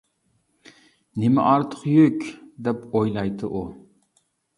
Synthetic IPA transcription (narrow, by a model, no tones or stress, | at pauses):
nɪmɛ̰ʔɑɾt̪ʰə̥qjykʲd̪ɛpojlˠɑjt̪ʰɨʔu